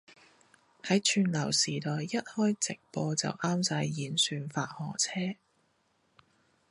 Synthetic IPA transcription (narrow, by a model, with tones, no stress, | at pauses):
hɐ˨˥jt͡ʃʰyː˧nlɐ˨˩wsiː˨˩t̪ɔː˨jːɐ˥t̚hɔː˥jt͡sɪ˨k̚pɔː˧t͡sɐ̰˨wʔaː˥msaː˧jːiː˨˥nsyː˧nfaː˧t̚hɔː˨˩t͡sʰɛː˥